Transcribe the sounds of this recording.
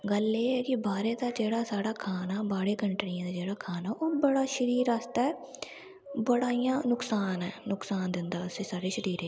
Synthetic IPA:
ɡəleːɦɛːkɪbaːɾeːt̪ãːd͡ʒeːɽaːsaːɽaːkʰaːnaːbaːɽeːkəɳʈɾɪãːd̪aːd͡ʒeːɽaːkʰaːnaːʔoːbəɽaːʃəɾiːɾast̪aːɛː | bəɽaːijãːnʊksaːnɛːnʊksaːnd̪ɪnd̪aːəseːsaːɽeːʃəɾiːɾeː

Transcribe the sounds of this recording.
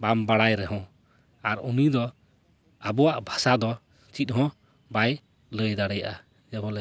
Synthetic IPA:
bambaɽajɾɛɦɔ̃ | aɾunid̪ɔ | abɔwaʔbʱasad̪ɔ | t͡ʃit̪̚ɦɔ̃ | baj | ləjd̪aɽɛjaʔa | d͡ʒɛbɔlɛ

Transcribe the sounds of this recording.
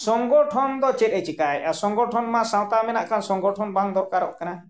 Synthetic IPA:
sɔŋɡɔʈʰɔnd̪ɔt͡ʃɛt̪ajt͡ʃʰikajasɔŋɡɔʈʰɔnmasãw̃t̪amɛnaʔkʰansɔŋɡɔʈʰɔnbaŋd̪ɔɾkaɾɔʔkana

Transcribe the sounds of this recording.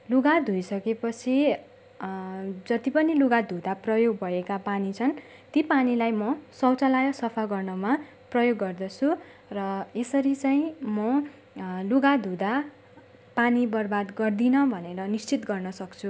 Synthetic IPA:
luɡad̪ʱujsʌkepʌt͡sʰi | d͡zʌt̪ipʌniluɡad̪ʱud̪aprʌjoɡ̚bʱʌekapanit͡sʰʌn | t̪ipanilajmʌsʌwt͡salajʌsʌpʰaɡʌrnʌma | prʌjoɡːʌrd̪ʌt͡sʰu | rʌesʌɾit͡saĩmʌ | luɡad̪ʱud̪a | panibʌrbad̪ɡʌrd̪inʌbʱʌneɾʌnist͡sit̪ɡʌrnʌsʌkt͡sʰu

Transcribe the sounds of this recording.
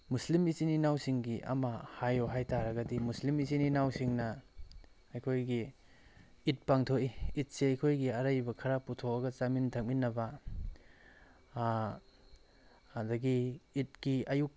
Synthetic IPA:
muslimit͡ʃininawsiŋɡiʔɐ̰mɐhajoɦajtaɾɐɡɐdimuslimizininawsiŋnɐ | ɐjkʰojɡi | it̚paŋtʰoiit̚seɐjkʰojɡiɐɾɐjbɐkʰɐɾaputʰoɐɡɐt͡ʃamintʰak̚minːɐbɐ | ɐdɐɡiːt̚kiɐjuk̚

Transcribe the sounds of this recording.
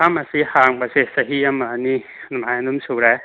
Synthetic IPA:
amɐsihaŋbasesɐɦiɐmɐːni | numajɐnumsuɾe

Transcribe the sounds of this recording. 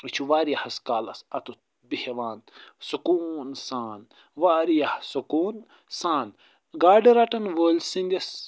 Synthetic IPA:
it͡ʃʰuʋaːɾijɐhɐskaːlɐsɐt̪u | biheʋaːnsukuːnsaːn | ʋaːɾijɐhsukuːn | saːn | ɡaːɖiɾaʈɐnʋoːlʲsind̪ʲɐs

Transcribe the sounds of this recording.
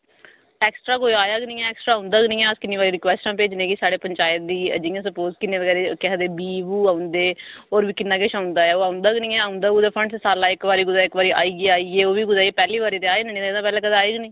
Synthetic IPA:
ɛːksʈɾaːkoːiaːjaːɡnĩːɛːɛːksʈɾaːãʊnd̪aːɡnĩːɛ̃əskɪnːiːʋaːɾiːɾɪkʋɛːsʈãːpeːd͡ʒneːkisaːɽeːpəɲt͡ʃaːjət̪̚d̪iːə̰d͡ʒijãːsəpoːzkɪnːeːʋəɡɛːɾeːkɛd̪eːbiːbuːãːʊnd̪eːoːɾbiːkɪnːãːkɪʃãːʊ̃nd̪aːɛːoːaːʊ̃nd̪aːɡnĩːɛːaːʊ̃nd̪aːɡuːd̪aːpʰəɳɖssaːlaːɪkʋaːɾiːɡʊd̪aːɪkʋaːɾiːʔa̰ːiːɡeːaːiːɡeːoːʋiːɡʊd̪aːiːpɛːliːʋaːɾiːt̪eaːiːneːĩːt̪ːd̪ãːpɛːlɛ̃ːkəd̪ãːeːɡnĩː

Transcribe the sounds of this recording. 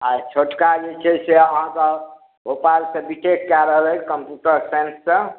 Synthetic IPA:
at͡ʃʰoʈkad͡ʒet͡ʃʰɛseəɦãkɔ | ɡʱopalsẽbiʈekːaɾəɦlɛkəmpjuʈəɾsensːə̃

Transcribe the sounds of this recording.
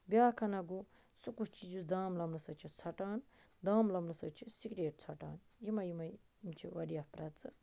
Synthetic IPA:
bjaːkʰɐnɐɡu | sukust͡ʃid͡ʒusd̪aːmlɐmlusɐt͡ʃʰit͡sʰɐʈaːn | d̪aːmlɐmlusɐt͡ʃʰisikɾeːʈ̚t͡sʰɐʈa̰ːnjimɐjimɐ | imt͡ʃʰiʋɐɾijɐpɾɐt͡sɨ

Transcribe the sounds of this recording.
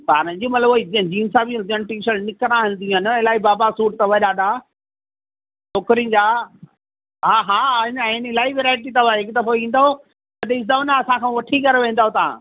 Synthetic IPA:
ba̰ːɾəd͡ʑũmɐt̪ləbɦid͡ʑiːnsaːbĩd͡ʑɐnʈiːʃəlnɪkɾãɦɪ̃nd̪ij̃ɦən̆ɪlaːibaːbasuːʈ̚t̪ɐʋɐɗaːɗa | t͡ʃʰoːkɾĩd͡ʑaː | ɦaːɦãːɪnɪnɪlaːiʋeɾaːɪʈ̬it̪ɐʋaɦɪkt̪ɐfoĩːnd̪aɦo | t̪ɐɗɪszaʋnaɐsãkʰãːʋɐʈʰikɐɾeʋẽːnd̪aɦot̪aã̰

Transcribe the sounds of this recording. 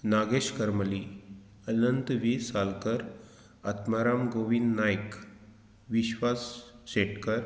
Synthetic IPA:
naɡeɕkəɾməli | ənənt̪ʋisalkəɾ | ət̪maɾamɡoʋinːajk | ʋiɕʋasːeʈkəɾ

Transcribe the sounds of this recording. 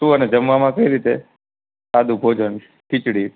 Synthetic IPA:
t̪ũəned͡ʒəmʋamãkəiɾit̪e | sad̪ũbʱod͡ʒən | ʈʰit͡ʃɽi

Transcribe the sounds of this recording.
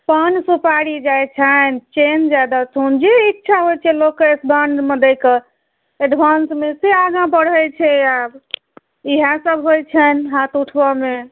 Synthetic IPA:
pənsupaɽid͡ʒajt͡ʃʰənt͡ʃend͡ʒad̪atʰund͡ʒeikːt͡ʃʰaɦojt͡ʃʰɛlokːeesbaɳɖmẽd̪ɛke | eɖʋʱansmeseaɡãbəɽəjt͡ʃʰɛab | iɦãsəbɦojt͡ʃʰənɦat̪uʈʰbəme

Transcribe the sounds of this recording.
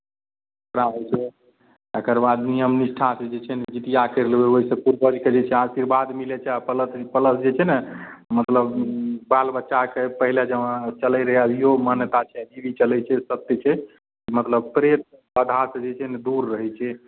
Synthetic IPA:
ekɾaɦot͡ʃʰɛ | ekəɾbad̪nijəmnisʈʰãsd͡ʒet͡ʃʰɛnɛd͡ʒit̪ijakəɾlbeoɦisə̃puɾbəd͡ʒked͡ʒet͡ʃʰɛasiɾbad̪milɛt͡ʃʰɛapələt̪pələsd͡ʒet͡ʃʰɛnɛmət̪ləbbalbətːʃakepəɦiled͡ʒəʋãt͡ʃəlɛɾəɦaiɦomənət̪at͡ʃʰɛd͡ʒibit͡ʃəlɛt͡ʃʰɛsət̪jət͡ʃʰɛ | mət̪ləb̚pɾet̪̚ | əd̪ʱaɾsd͡ʒet͡ʃʰɛnɛd̪uɾːəɦɛt͡ʃʰɛ

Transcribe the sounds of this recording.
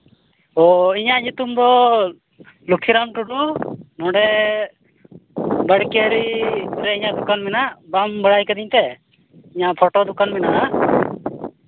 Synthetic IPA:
ɔiɲaʔɲut̪umd̪ɔ | lukʰːiɾamʈuɖunɔ̃ɖɛ | bəɽkeɾiɾɛiɲaʔd̪ukanmɛnaʔbambəɽajkad̪iɲt̪ɛ | iɲaʔpʰɔʈɔd̪ukanmɛnaʔʔ

